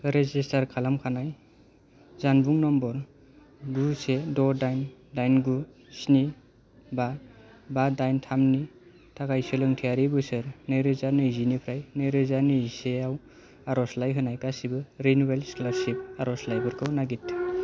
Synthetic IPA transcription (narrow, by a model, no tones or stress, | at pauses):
ɾezistʰaɾkʰalamkʰanaj | zanbuŋnɔmbɔɾ | ɡusedɔdajndajnɡu | sni | ba | badajntʰamni | tʰakajsɯlɯŋtʰijaɾibɯsɯɾnɯjɾɯzanɯjzinipʰɾajnɯjɾɯzaniiseaw | aɾɔslajɦɯnajkasibɯɾinwelsklasip̚aɾɔslajbɯɾkʰɯwnaɡitʰ